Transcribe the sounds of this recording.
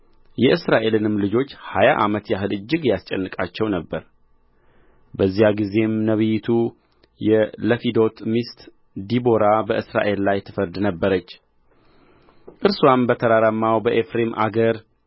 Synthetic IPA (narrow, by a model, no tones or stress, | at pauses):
jɛʔɨsɾaʔe̞lɨnɨmlɨd͡ʒo̞t͡ʃːhajaʔamət̪jaɦɨlɨd͡ʒːɪɡjast͡ʃʼɛnːɨkʼat͡ʃːɛwnəbːəɾ | bəzːijaɡize̞mnəβɨjɪt̪ʰu | jɛləfid̪o̞t̪mist̪ | d̪ibo̞ɾabəʔɨsɾa̰ʔe̞llajt̪ʰːɨfəɾd̪nəbːəɾət͡ʃː | ʔɨɾswambət̪ʰəɾaɾamːawbəʔefɾe̞mʔa̰ɡəɾ